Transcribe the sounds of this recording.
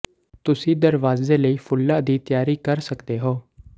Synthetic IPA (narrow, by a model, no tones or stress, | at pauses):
t̪ʊsĩːd̪əɾʋaːzeːləiːpʰʊlːaːd̪iːt̪ɪjaːɾiːkəɾsəkd̪eːɦoː